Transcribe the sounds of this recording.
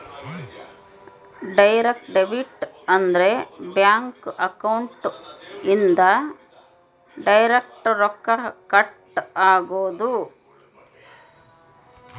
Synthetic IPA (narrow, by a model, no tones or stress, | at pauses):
ɖɐjɾek̚ʈɖeʋiʈ | ɐnd̪ɐɾebjaːŋkɐkɐwɳʈind̪ɐ | ɖɐjɾek̚ʈɾɔkːɐkɐʈ | aːɡoːd̪u